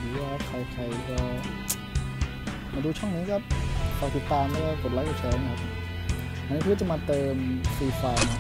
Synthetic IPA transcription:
diː˨˦aː˧˥˧kʰa˦˥p̚kʰa˧˩kʰa˧˩jpʰɔ˧˩ | maː˧duː˧t͡ɕʰɔ˥˩ŋniː˦˥kaː˦˥˩p̚kʰa˧˩t̪i˨˦˩t̪ːaː˧ma˥˩aː˧˥˩ko˨˩t̪̚la˦˥ka˨˩t͡ɕʰɛː˧˥˨kʰa˦˥p̚ | ʔa˧niː˦˥pʰːt͡ɕa˨˩ma˧t̪ɤː˧mfiː˧faː˧

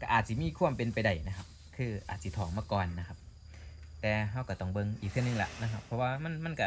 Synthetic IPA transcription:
ka˧˩ʔaː˨˩t̪̚si˧˦miː˧˥˨kʰu˧˥˩əmpe˧˨npa˨jda˧˩jna˧kʰa˧˥p̚ | kʰɯː˧˩ʔaː˨˩t̪̚si˧˦t̪ʰɔː˨˩˦ŋmaː˧˥˨kɔː˨nːa˧kʰa˧p̚ | t̪ɛː˨˩ɦa˧˩˨wka˧˩t̪ɔ˧˩ŋbɤ˧˨ŋʔiː˨˩k̪̚ʰɯ˧˨nɯ˧ŋla̰˧ʔna˧kʰa˧pʰːɔ˧waː˧ma˧˥˨nma˧˥˨nka˧˩

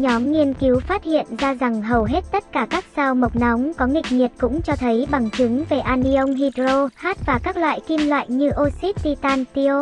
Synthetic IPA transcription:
ɲɔ˨˦mŋi˧ənki˨˦wfaː˦˥t̚hḭ˧˨ənzaː˧za˨˩ŋɦə˨˩wɦe˦˥t̚t̪ə˦˥t̚kaː˧˩kaː˦˥k̚saː˧wmə˨˩wk͡p̚na˨˦wŋ͡mkɔ˨˦ŋï˨˩k̟̚ɲi˨˩ət̚kʊ̰˧˥ŋ͡mt͡ɕɔ˧t̪ʰə˨˦jɓa˨˩ŋt͡ɕɨ˨˦ŋve˨˩ʔaː˧ni˧ʔə˧wŋ͡mɦi˧dzo˧haː˦˥t̚vaː˨˩kaː˦˥k̚lwa̰ː˧˨jki˧mlwa̰ː˧˨jɲɨ˧ʔo˧si˦˥t̚t̪i˧t̪aː˧nt̪i˧o˧

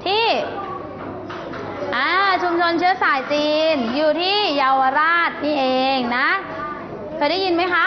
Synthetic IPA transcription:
t̪ʰiː˥˩ | ʔaː˧˩t͡ɕʰu˧mt͡ɕʰo˧nt͡ɕʰɯ˦˥ɐsaː˨˩˦jt͡ɕiː˧njuː˨˩t̪ʰiː˥˩jaː˧wa˧ɾaː˥˩t̪̚niː˥˩ʔeː˧ŋna˦˥ | kʰɤː˧jda˥˩ji˧nma˦˥jkʰa˦˥

